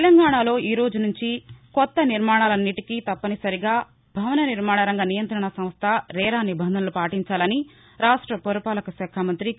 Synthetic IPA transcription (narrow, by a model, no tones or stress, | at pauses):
t̪elɐŋɡaːɳalo̞ːʔiːɾo̞ːd͡ʒunuɲt͡ʃikɔt̪ːɐniɾmaːɳaːlɐnːiʈikit̪ɐpːɐnisɐɾiɡaː | bʱɐʋɐnɐniɾmaːɳɐɾɐŋɡɐnijɐnt̪ɾɐɳɐsɐ̃m̃st̪ʰɐɾɛːɾaːnibɐnd̪ʱɐnɐlupaːʈiɲt͡ʃaːlɐni | ɾaːʂʈɾɐpoɾɐpaːlɐkɐʃɛːkʰaːmɐnt̪ɾi